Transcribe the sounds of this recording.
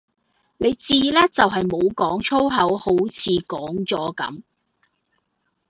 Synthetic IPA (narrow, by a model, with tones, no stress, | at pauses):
ne˨˧jt͡siː˧laː˥t͡sɐ˨wɦɐ˨jmo˨˧wkɔː˨˥ŋt͡sʰo˥wɦɐ˨˥who˨˥wt͡sʰiː˨˧kɔː˨˥ŋt͡sɔː˨˥kɐ̰˨˥m